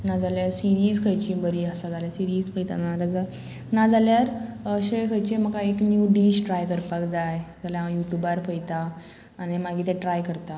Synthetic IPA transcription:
nad͡zaljaɾsiɾiːd͡zkʰəjt͡ɕĩbəɾiəsad͡zaljasiɾiːd͡zfəjt̪a̰nalad͡za | nad͡zaljaɾəɕekʰəjt͡ɕem̤əkaeknjuɖiɕʈɾajkəɾpakd͡zajd͡zaljajuʈjubaɾpəjt̪aː | ñimaɡʱiːt̪ɛ̃ʈɾajkəɾt̪a

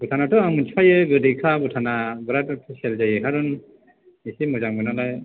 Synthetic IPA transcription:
butʰanatuaŋmɯnt͡ʃipʰajɯɡɯdikʰabutʰanabɯɾattʰɯselzajɯkʰaɾun | isimuzaŋɡɯnalaj

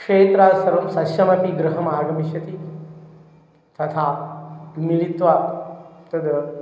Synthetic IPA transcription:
kʂeːt̪ɾaːsɐɾɐmsɐʃjɐmɐpiɡɾɐɦɐmaːɡɐmiʃjɐt̪i | t̪ɐt̪ʰaː | milit̪ʋaːt̪ɐd̪ɐ

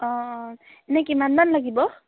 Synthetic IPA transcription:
ɔ̃ | enekimanbanlaɡibɔ

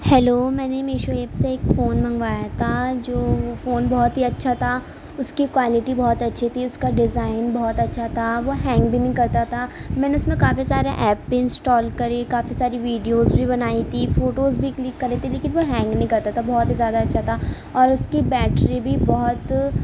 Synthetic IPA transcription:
hɛloːmɛ̃ːnemeːʃoeːpseeːkfoːnmɐ̃ŋɡʋaːjat̪ʰad͡ʒoːʋofoːnbɔɦɔt̪ɦiɐtːʃʰat̪ʰa | ʊskikʋaːlɪʈibɔɦɔt̪ɐtːʃʰit̪ʰiʊskaɖɪzaːɪnbɔɦɔt̪ɐtːʃʰat̪ʰaʋoɦɛ̃ːŋɡbʱinɐɦĩkɐɾt̪at̪ʰamɛ̃ːneʊsmẽkaːfisaːɾeʔɛːpːɪ̃nsʈɔːlkɐɾekaːfisaːɾiʋiːɖijozbʱibɐnaːit̪ʰifoːʈoːzbʱiklɪkːɐɾet̪ʰileːkɪnʋoɦɛ̃ːŋɡnɐɦĩkɐɾt̪at̪ʰabɔːɔt̪izjaːd̪aɐtːʃʰat̪ʰa | ɔːɾʊskibɛːʈɾibʱibɔɦʊt̪

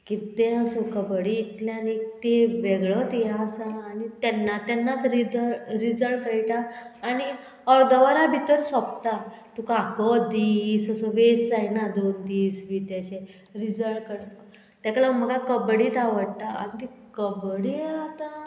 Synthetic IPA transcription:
kit̪ẽəsukəbɽiːt̪lãnit̪eʋeɡɭət̪jasaːnit̪ɛnːat̪ɛnːat̪ɾid͡zəɾid͡zəɭkəjʈaːñi | ɔɾd̪əʋaɾabʱit̪əɾsɔp̚t̪at̪ukakəd̪iːsəsəʋesd͡zajnad̪ond̪iːsʋit̪jaɕe | ɾid͡zəɭkəɽt̪ə | t̪jaklam̤əɡakəbɽiːt̪aʋəɽt̪aa̰nit̪ikəbɽiat̪a

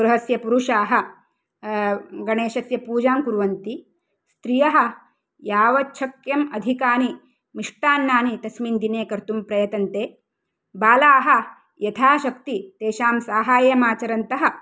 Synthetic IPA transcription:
ɡɾɐɦɐsjɐpuɾuʂaːɦɐ̆ | ɡɐɳeːʃɐsjɐpuːd͡ʒaːmkuɾʋɐnt̪i | st̪ɾijɐɦɐ̆ | jaːʋɐtːʃʰɐkjɐmɐd̪ʱikaːni | miʂʈaːnːaːnit̪ɐsmind̪ineːkɐɾt̪umpɾɐjɐt̪ɐnt̪eː | baːlaːɦɐ̆ | jɐt̪ʰaːʃɐk̚t̪it̪eːʃaːmsaːɦaːjɐmaːt͡ʃɐɾɐnt̪ɐɦɐ̆

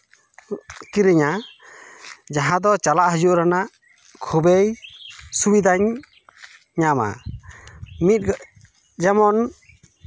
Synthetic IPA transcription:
kiɾiɲa | d͡ʒaɦãd̪ɔt͡ʃalaʔɦəd͡ʒuʔɾanaʔ | kʰubejsubid̪aɲ | ɲama̰ | mit̪̚ | d͡ʒɛmɔn

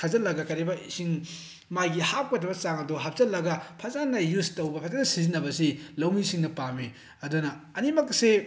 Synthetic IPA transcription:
kʰazɐlɐɡɐkɐɾebɐisiŋ | majɡihap̚kɐtɾɐbɐt͡ʃaŋɐduɦap̚zɐlːɐɡɐpʰɐzanɐjustɐwbɐpʰɐzanɐsizinːɐbɐsilɐwmisiŋnɐpami | ɐdunɐɐnimɐkse

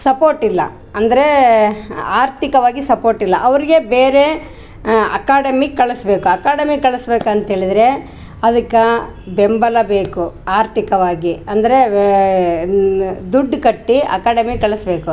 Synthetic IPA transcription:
sɐpoːɾʈilːɐ̰ | ɐnd̪ɐɾe̞ | aːɾt̪ikɐʋaːɡisɐpo̞ːɾʈilːɐʔɐʋɐɾiɡe̞beːɾe̞ | ɐ̰kaːɖɐmikɐɭɐsbe̞ːkuɐkaːɖɐmikɐɭɐsbeːkɐnt̪ɐɦeːɭid̪ɾe̞ | ɐd̪ɐkːɐbembɐlɐbeːkuaːɾt̪ikɐʋaːɡiɐnd̪ɐɾe | d̪uɖːkɐʈːiɐ̰kaːɽɐmikɐɭɐsbe̞ːku

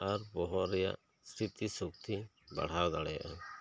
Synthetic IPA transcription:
aɾbɔɦɔʔɾɛja̰ʔ | st̪ʰit̪isuk̚t̪i | ba̰ɽ̤aɾd̪aɽɛja̰ʔɔ

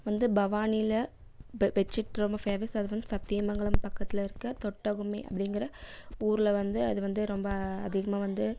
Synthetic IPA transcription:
ʋɐnd̪ɯbɐʋaːnɪlɐ | ʋɛt͡ʃːɯʈːɯɾɔmbɐfeːʋɐsɐðɯʋɐnd̪ɯsɐp̚t̪ːɪjɐmɐŋɡɐɭɯmpɐkːɐt̪ːɪlɐɪɾɯkːɐt̪ɔʈːɐɣɯmḛʔɐ̰pːɐɽɪŋɡɪɾɐuːɾɪlɐʋɐnd̪ɯɐðɯʋɐnd̪ɯɾɔmbɐɐðɪɣɐmaːʋɐnd̪ɯ

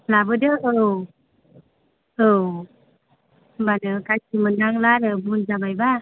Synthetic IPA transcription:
labədəʔəw | əw | banəkasimənːaŋlaɾəbund͡ʒabajba

